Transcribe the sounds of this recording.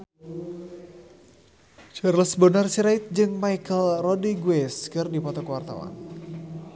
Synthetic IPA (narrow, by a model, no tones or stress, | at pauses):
d͡ʒərləsbənərsiɾaɪt̪̚d͡ʒɨŋmaikəlrɔdiɡwɛskɨrdipɔt̪ɔkəwart̪a̰wa̰n